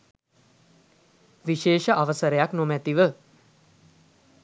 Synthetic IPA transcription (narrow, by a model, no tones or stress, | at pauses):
ʋiʃeːʃəʔaʋəsəɾəjaknomæt̪iʋə